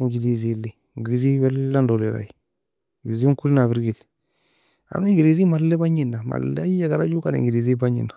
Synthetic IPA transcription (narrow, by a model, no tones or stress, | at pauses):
iŋɡilizili | ŋɡiɡizibɛlːandoliɾa̰i | ɡizikulinafiɾɡil | a̰ɾuiŋɡilizimalːebaɲinːama̰lːeajeɡaɾad͡ʒukanḭŋɡilizibaɲḭnːa